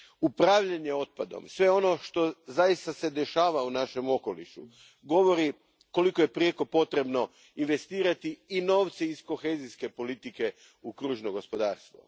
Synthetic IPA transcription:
upɾaːʋʎaɲe̞o̞t̪̚pad̪o̰msʋe̞o̞no̞ʃt̪o̞zajist̪ase̞d̪e̞ʃaːʋaunaʃe̞mo̞ko̞lḭʃṵ | ɡo̞ʋo̞ɾi | ko̞liko̞je̞pɾijeko̞po̞t̪ɾe̞bno̞ | inʋe̞st̪iːɾat̪iːno̞ːʋt̪siisko̞xe̞ːziske̞po̞lit̪ike̞ | ukɾuːʒno̞ɡo̞spo̞d̪aːɾst̪ʋo̞̰

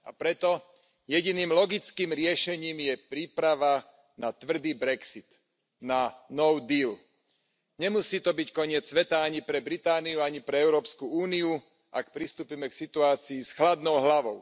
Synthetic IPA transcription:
a̰pɾɛt̪ɔ | jɛɟiniːmlɔɡit͡skiːmɾɪɛʃɛɲiːmjɛpɾiːpɾaʋa | nat̪ʋr̩d̪iːbɾɛksit̪ | nanɔʊd̪iːl | ɲɛmusiːt̪ɔbickɔɲɪɛt͡ssʋɛt̪aaɲipɾɛbɾit̪aːniuaɲipɾɛɛʊɾɔːpskuuːniu | ʔa̰kpɾist̪uːpiːmɛksit̪uaːt͡siːsxlad̪nɔʊɦlaʋɔʊ

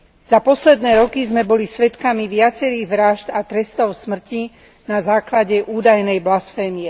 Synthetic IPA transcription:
z̥apɔslɛd̪nɛːɾɔkizmɛbɔlisʋɛt̪kamiʋɪat͡sɛɾiːɣʋɾaːʒd̪at̪ɾɛst̪ɔʊsmr̩ci | nazaːklaɟɛʔuːd̪ajnɛjblasfɛːmiɛ

